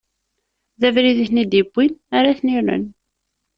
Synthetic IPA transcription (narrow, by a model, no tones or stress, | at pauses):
ðævɾiðiçnid̪ibːinaɾaθniɾə̰n